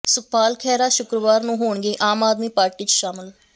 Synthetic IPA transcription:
sʊpʰaːlkʰɛːɾaːʃʊkɾəʋaːɾnũːɦoːɳɡeːʔaːmaːd̪miːpaːɾʈiːt͡ʃʃaːmɪl

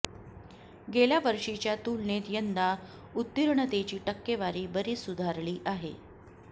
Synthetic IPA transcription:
ɡeljaʋəɾʂit͡ɕjat̪ulɳet̪jənd̪a | ut̪ːiɾɳət̪et͡ɕiːʈəkːeʋaɾiːbəɾiːsud̪ʱaɾɭiːʔaɦḛ

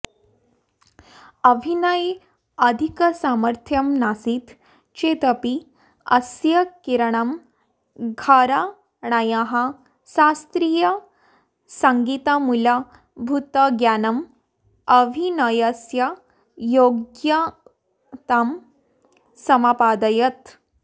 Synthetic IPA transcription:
ɐʋʱinəj | ɐd̪ʱikəsaməɾt̪ʰjɐmnasit̪ | t͡ɕet̪əpi | ɐsjɐkiɾɳ̃ɐm | ɡʱaɾa | ɳajãɦa | sast̪ɾiːjɐ | sɐŋɡit̪amulɐ | bʱut̪ɐɡjaːnɐm | ɐʋʱinɐjɐsjɐ | joɡjɐ | t̪am | sɐmapaːd̪ɐjɐt̪

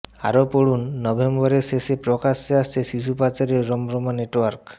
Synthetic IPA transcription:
a̰ɾopoɽunːɔbʱembɔɾeʃeʃepɾɔkaʃeaʃt͡ɕʰeʃiʃupat͡ɕaɾeɾːɔmɾɔmaneʈwaɾk

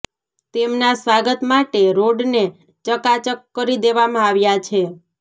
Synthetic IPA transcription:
t̪emnasʋaɡət̪maʈeɾoɖne | t͡ʃəkat͡ʃəkːəɾid̪eʋamãaʋjat͡ʃʰe

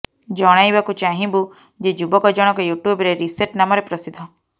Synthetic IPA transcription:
d͡ʒɔɽ̃ajbakut͡ʃaɦĩbu | d͡ʒed͡ʒubɔkɔd͡ʒɔɽ̃ɔkɔjuʈjubɾeɾiseɾʈnamɔɾepɾɔsid̪ʱːɔ

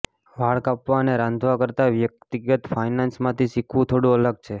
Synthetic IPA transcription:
ʋaɭkapʋaəneɾãnd̪ʱʋakəɾt̪aʋjək̚t̪iɡət̪fainansmãt̪ʰisikʰʋũt̪ʰoɽũələɡ̚t͡ʃʰe

